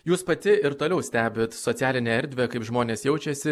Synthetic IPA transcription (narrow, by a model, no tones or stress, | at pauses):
juːspɐt̪ʲɪɪɾt̪oːlʲɛʊsʲt̪ʲæːbʲeːt̪sot̪sʲæːlʲɪnʲeːɛɾʲd̪ʲʋʲekɐɪpʒmoːnʲeːsjɛʊt͡ʃʲɛsʲɪ